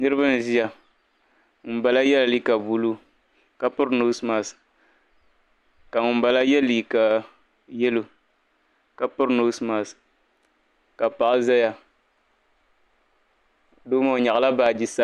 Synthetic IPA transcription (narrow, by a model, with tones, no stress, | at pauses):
nɨ˦ɾɨ˦ba˦n˨zi˦ja˨ | m̩˨ba˨la˦jɛ˦la˨li˦ka˨bu˨lu˦ | ka˨pʊ˦ɾnː˦sma˨s | ka˨ŋʊ˨m̩˦ba˨la˦jɛ˦lːiː˨ka˨ | jɛ˦lo˨ | ka˨pʊ˦ɾno˦sma˨s | ka˨pa˨ʔza˦ja˨ | doː˦ma˦˨ɲa˨ʔla˦baː˨d͡ʒi˨sa˦